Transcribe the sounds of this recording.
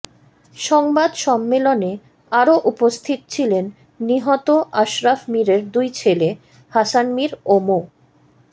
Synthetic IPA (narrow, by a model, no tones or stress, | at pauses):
ʃɔŋbad̪ʃɔmːelone | aɾoʔupost̪ʰit̪t͡ɕʰilenː | iɦɔt̪oʔaʃɾafmiɾeɾd̪ujt͡ɕʰele | hasanmiɾomo